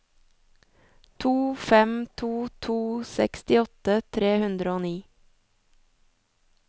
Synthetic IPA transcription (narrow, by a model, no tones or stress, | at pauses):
t̪ʰuːfɛmt̪ʰuːt̪ʰuːsɛkst̪ɪɔt̪ət̪ʰɾeːhʉnd̪ɾəoːniː